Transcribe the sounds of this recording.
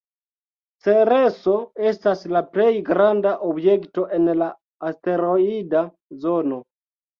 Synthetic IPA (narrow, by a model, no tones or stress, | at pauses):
t͡seɾeso̞e̞staslaplejɡɾandaʔobje̞kto̞ʔenlaː | ste̞ɾoida | zo̞no̞